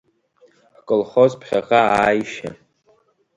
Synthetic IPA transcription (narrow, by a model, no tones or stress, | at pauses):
ħkʼɨlχozpʰχʲaʁaaːjʃa̰